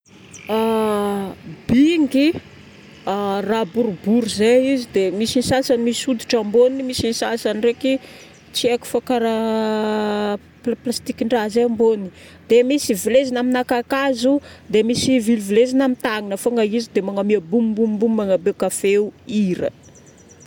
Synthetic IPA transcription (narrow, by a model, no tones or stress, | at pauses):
a | b̥iŋɡi | arabuɾubuɾuzeizid̪emisinisasanimisud̪uʈ͡ʂamboninimisinisasanireki | t͡sieku̥fakaɾa | pplast̪ikiɳɖ͡ʐazeambonii̥ | d̪̥emisivilezanaminakakazud̪emisiviluvilezinamit̪aŋinəfoŋaizid̪emaŋamiəbumimbummbummaŋabekafeuiɾə̰